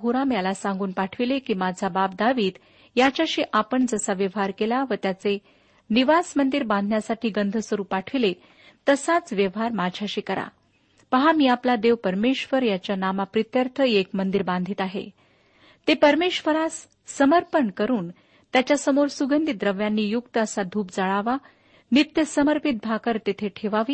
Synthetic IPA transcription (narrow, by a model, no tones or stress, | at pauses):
ɡuɾamjalasãŋɡuːnpaʈʰʋilekiːmad͡zʱabap̚d̪aʋiːd̪ | jat͡ɕjaɕiːʔapəɳd͡zəsaʋjəʋɦaɾkelaʋət̪jat͡se | niʋasmənd̪iɾbãnd̪ʱnjasaʈʰiːɡənd̪ʱəsəɾuːpaʈʰʋile | t̪əsat͡sʋjəʋɦaɾmad͡ʑʱjaɕiːkəɾa̰ | pəɦamiːaplad̪eʋpəɾmeʂʋəɾjat͡ɕjanamapɾit̪jəɾt̪ʰəekmənd̪iɾbãnd̪ʱiːt̪aɦḛ | t̪epəɾmeʂʋəɾasː | əməɾpəɳkəɾuːn | t̪jat͡ɕjasəmoɾsuɡənd̪id̪ɾəʋjanːiːjukt̪əəsad̪ʱuːp̚d͡zəɭaʋa | nit̪jəsəməɾpit̪̚bʱakəɾt̪et̪ʰeʈʰeʋaʋiː